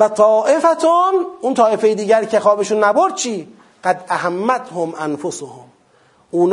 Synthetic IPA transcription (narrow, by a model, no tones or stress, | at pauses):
væt̪ʰɒːʔefæt̪ʰonunt̪ʰɒːe̞fejed̪iːɟæɾcʰexɒːbeʃunːæboɾd̪̥̚t͡ʃʰiː | ɢ̥æd̪æɦæmːæt̪ʰhomʔænfosohom | uːn